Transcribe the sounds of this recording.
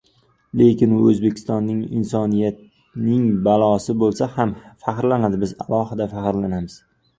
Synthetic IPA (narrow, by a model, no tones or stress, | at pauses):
le̞kʲɪnʊɵzbe̞kʲʰɪ̥st̪ɒnːɪŋɪ̰nsɒnijat̪̚ | nɪŋbalˠɒsɪbolˠsahamfaqɾlanad̪ɪbɪza̰lˠɒhɪd̪afaqɾlanamɪz̥